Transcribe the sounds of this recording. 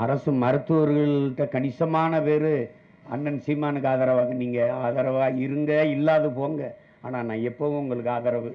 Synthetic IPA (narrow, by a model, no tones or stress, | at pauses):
ɐɾɐsɯmɐɾɯt̪ːɯʋɐɾɯɣɐɭʈːɐkɐɳɪsɐmaːnɐpeːɾɯ | ɐ̰nːɐnsimaːnɯkːaːðaːɾɐʋaːɣɐniːŋɡɐaːðaːɾɐʋaːɪɾɯŋɡɐɪlːaːðɯpoːŋɡɐ | aːnaːnãːɛpːɐʋɯ̃ʊŋɡɐɭɯkːɯaːðɐːɾɐʋɯ